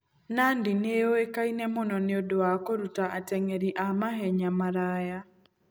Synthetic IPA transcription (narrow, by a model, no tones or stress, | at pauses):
nandineoekainɛmɔnɔneodoakoɾutaʔatɛŋɛɾiʔamaɦɛɲamaɾaja